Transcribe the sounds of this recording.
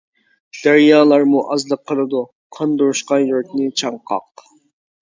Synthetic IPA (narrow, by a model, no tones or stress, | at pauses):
d̪̥æɾjɑːlˠɑɾmuʔɑzlˠəqʰːəlˠɨd̪u | qʰɑnd̪oɾuʃqɑjøɾk̪̚ʲnɪt͡ʃʰɑɴqʰɑ̰q